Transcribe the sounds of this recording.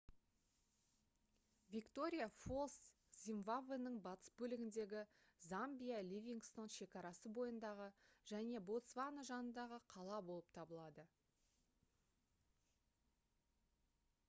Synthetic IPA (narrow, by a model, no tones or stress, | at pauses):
vʲikt̪o̞ɾʲijafo̞lˠs | z̥ʲimvavenəɴbɑt̪ə̥sbɵlɪɡʲɪnd̪e̞ɡʲɪ | zambʲijalʲivʲiŋɡst̪o̞nʃe̞kɑɾɑsəbo̞jənd̪ɑʁəʒ̥æne̞bo̞t̪svanoʒɑnənd̪ɑʁəqʰɑlˠɑbo̞lˠəp̚t̪ʰɑbəlˠɑd̪ə